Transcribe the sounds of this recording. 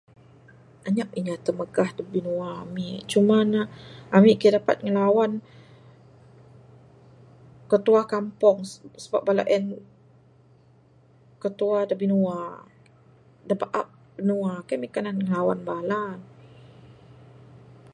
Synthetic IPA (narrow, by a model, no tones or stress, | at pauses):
aɲaʔiɲat̪əməɡahdabinuaːmiʔt͡ʃumanaamiʔkidapa̰t̪̚ŋəlawan | kət̪uakampɔŋsəbap̚bala̰ʔɛn | kət̪uadabinua | dabaʔap̚bənuakamikananŋəlawa̰nbalan